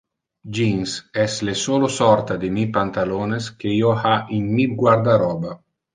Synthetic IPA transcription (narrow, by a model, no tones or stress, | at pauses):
d͡ʒinsɛslesoːlosɔrt̪ad̪imipant̪aloːneskeiohainmiɡwaɾd̪aɾɔːba